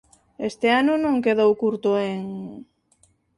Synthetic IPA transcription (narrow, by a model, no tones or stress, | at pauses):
est̪eanʊnõŋkeðowkuɾt̪oeŋ